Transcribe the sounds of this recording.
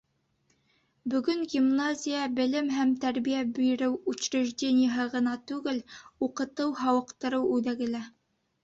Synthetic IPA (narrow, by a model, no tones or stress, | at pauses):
bɵ̆ɡɵŋɡʲimnazʲɪjəbɘ̆lɘmɦæmt̪æɾβijæbɵ̆jɘ̆ɾɘwʉt͡ɕɾɘ̆ʒdʲenʲɪjəɦɤʁɤ̆nɑt̪ʉɡɘluqɤ̆t̪ɤwɦɑwɤ̆qt̪ɤ̆ɾɤwʉðæɡɘ̆læ